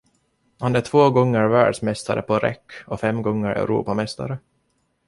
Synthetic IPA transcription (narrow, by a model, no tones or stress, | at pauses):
handæʈʰvoːɡɔŋːəɾvæːɖʂmɛst̪aɾʔə̰pʰɔɾɛ̰kːɔfɛmːɡɔŋːəɾɛ̰ʉɾṵːpamɛst̪a̰ɾə